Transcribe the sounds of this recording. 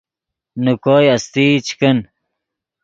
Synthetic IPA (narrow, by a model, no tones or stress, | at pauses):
nukoːjɐst̪iːt͡ɕʰkən